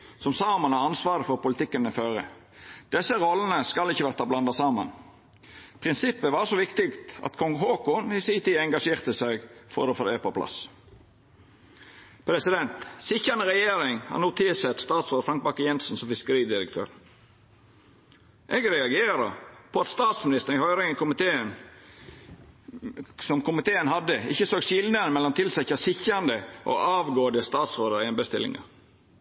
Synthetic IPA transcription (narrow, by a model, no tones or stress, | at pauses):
sɔmsɑːmɑnɑɑnsʋɑːɾəfɔɾpʊlɪt̪ɪkːənəføːɾə̰ | d̪̥ɛsːəɾɔlːən̩əskɑlɪçːəʋæʁt̪ɑblɑnd̪ɑsɑːmən | pʰɾɪnsɪpːəʋɑːɾʂɔʋɪkt̪ɪkt̪ɑ̰t̪kʰɔŋɦoːkʊnɪsiːt̪iːɛŋɡɑʂeːɾt̪əsɛɡfɔ̰ɾd̪əfɔd̪eːpɔpʰlʔɑ̰s | pʰɾɛsɪd̪ɛnt̪sɪçənəɾɛjeːɾɪŋhɑ̰nuːt̪ʰɪsɛt̪st̪ɑːt̪sɾoːd̪əɾfɾɑŋk̚bɑkəjɛnsn̩sɔmfɪskəɾiːd̪ɪɾəkt̪ʰø̰ːɾ | ʔeːɡɾɛɑɡeːɾɑ̰pʰɔɑt̪st̪ɑːt̪smɪnɪst̪ən̩ɪhœʏɾɪŋkʊmɪt̪ʰeːən | sɔmkʊmɪt̪ʰeːənhɑd̪əɪ̰çːəsoːɡsɪlnəɾəmɛlːɔmt̪ʰɪlsɛçɑsɪçɑnd̪əʔo̰ːʔɑːʋɡoːənd̪əst̪ɑːt̪sɾoːd̪əɾɛnbəst̪ɪ̰lɪ̰ŋɑ̰